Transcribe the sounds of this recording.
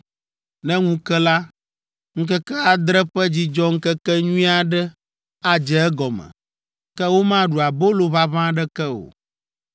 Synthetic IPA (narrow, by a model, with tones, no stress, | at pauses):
nɛ̃˦ŋũ˦kɛ˦la˦ | ŋ̩˦kɛ˦kɛ˦a˨d̪ɾɛ˦ɸɛ˦d͡ʑi˦d͡ʒɔ˦ŋ̩˦kɛ˦kɛ˦ɲũ˦ĩ˦a˨ɖɛ˦ | a˦d͡ʒɛ˨ɛ˦ɡɔ˨mɛ̰̃˨ | kɛ˦wo˦mã˦ɖu˨a˨bo˦lo˨βa˦βã˦ɖɛ˦kɛ˦o̰˨